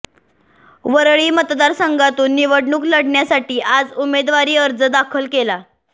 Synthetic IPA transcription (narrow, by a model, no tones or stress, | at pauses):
ʋəɾɭiːmət̪d̪aɾsəŋɡat̪uːnːiʋəɽɳuːkləɽɳjasaʈiːʔad͡zumed̪ʋaɾiːəɾd͡zəd̪akʰəlkela